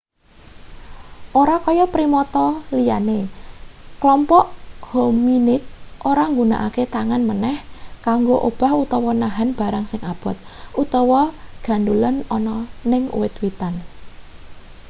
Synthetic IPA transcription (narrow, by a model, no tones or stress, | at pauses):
ʔoɾakɔjɔpɾimɔt̪ɔlijane | klɔmpɔʔhominɪt̪̚ʔoɾaŋɡuna̰ʔa̰ket̪aŋanmənɛhkaŋɡoʔob̥a̤hut̪ɔwɔnaɦanb̥a̤ɾaŋsɪŋab̥ɔ̤t̪̚ʔut̪ɔwɔɡ̥a̤ndulənɔnɔnɪŋṵwɪt̪wit̪an